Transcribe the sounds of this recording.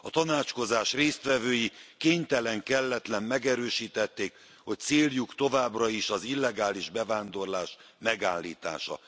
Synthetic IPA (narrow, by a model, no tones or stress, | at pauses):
ɒt̪ɒnaːt͡ʃko̞zaːʃreːst̪ʋɛvøːjikeːɲt̪ɛlɛŋkɛlːɛt̪lɛmmɛɡɛɾøːʃiːt̪ɛt̪ːeːk | ho̞c̚t̪seːljukt̪o̞vaːbrɒiʃɒzilːɛɡaːliʒbɛvaːnd̪o̞rlaːʃ | mɛɡaːlːḭːt̪a̰ːʃɒ̰